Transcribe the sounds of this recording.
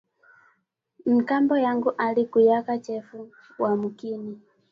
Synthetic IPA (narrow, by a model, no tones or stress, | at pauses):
m̩kambɔjaŋɡuʔalikujakat͡ʃɛfu | wamukini